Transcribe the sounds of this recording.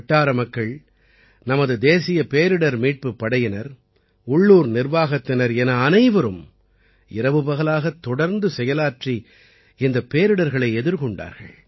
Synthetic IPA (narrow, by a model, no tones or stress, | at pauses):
ʈːaːɾɐmɐkːɐɭ | nɐmɐðɯd̪eːsɪjɐpeːɾɯɽɐɾmiːʈ̚pɯpːɐɽɐjɪnɐɾ | ʊɭːuːɾnɪɾʋaːɣɐt̪ːɪnɐɾɛnɐːnɐɪʋɐɾɯm | ɪɾɐʋɯbɐɣɐlaːɣɐt̪ːɔɽɐɾnd̪ɯsɛjɐlaːʈri | ɪnd̪ɐpːeːɾɯɽɐɾɣɐɭɐɪɛðɯɾkɔɳɖa̰ːɾɣɐ̰ɭ